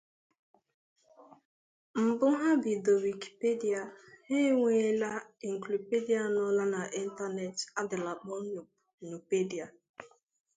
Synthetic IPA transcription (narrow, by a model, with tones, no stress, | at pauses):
m̩˨bʊ˦ɦa˦bi˨do˨wi˨ki̥˨pe˦di˨a˨he˦ŋʷe˨˦la˦e˨ŋ̩˨kli˨pe˦di˦a˨nʊ˦la˦na˨ʔi˦n̩˦ta˦ne˨ta˦dɪ˨la˨k͡pɔ˦ɲʊ˨p̚nu˨pe˦di˨a˨